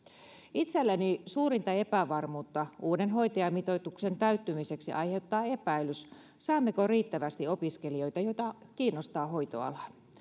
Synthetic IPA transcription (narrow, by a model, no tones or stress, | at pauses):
it̪selːænisuːɾint̪ɑe̞pæʋɑrmuːt̪ːɑuːdenɦo̞jt̪ɑjɑmit̪ot̪ukse̞nt̪æyt̪ːymise̞ksiʔɑjhe̞ut̪ːɑːe̞pæilys | sɑːmːe̞koriːt̪ːæʋæst̪io̞piskelio̞jt̪ɑjo̞jt̪ɑkiːnːost̪ɑːɦo̞jt̪o̰ɑ̰lɑ